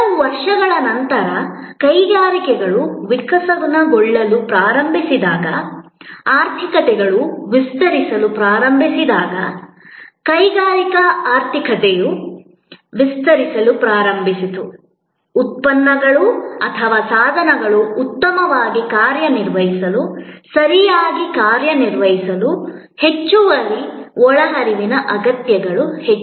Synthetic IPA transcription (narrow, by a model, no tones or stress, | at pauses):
ɐuʋɐɾʂɐɡɐɭɐnɐnt̪ɐɾɐkɐjɡaːɾikɛɡɐɭuʋikɐsɐɡunɐɡɔɭːɐlupɾaːɾɐmbʱisid̪aːɡɐ | aːɾt̪ʰikɐt̪ɛɡɐɭuʋist̪ɐɾisɐlupɾaːɾɐmbʱisid̪aːɡɐ̰ | kɐjɡaːɾikɐaːɾt̪ʰikɐt̪ɛju | ʋist̪ɐɾisɐlupɾaːɾɐmbʱisit̪uː | t̪̚pɐnːɐɡɐɭuɐt̪ʰɐʋaːsaːd̪ʱɐnɐɡɐɭuːt̪ːɐmɐʋaːɡikaːɾjɐniɾʋɐɦisɐlusɐɾijaːɡikaːɾjɐniɾʋɐɦisɐlu | he̞t͡ʃːuʋɐliɔɭɐɦɐɾiʋinɐʔɐɡɐt̪jɐɡɐɭuhet͡ʃː